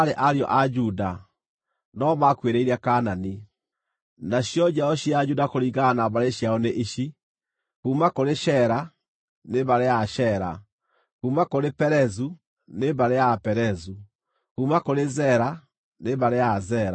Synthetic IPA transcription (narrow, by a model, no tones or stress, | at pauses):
aɾeʔaɾjɔ̰ʔad͡ʒuda | nɔmakweɾeiɾakanani | naɕjɔd͡ʑaɔɕiad͡ʒudakoɾiɣanaβaɾeɕjaɔneʔiɕi | kuːmakoɾeʃɛɾa | neβaɾeaʃɛɾa̰ | kuːmakoɾepɛɾɛzu | neβaɾeapɛɾɛzu | kumakoɾezɛɾa | neβaɾeazɛɾa